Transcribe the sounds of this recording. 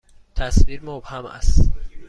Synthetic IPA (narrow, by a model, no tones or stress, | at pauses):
t̪ʰæsviɾmob̥hæmæ̰st̪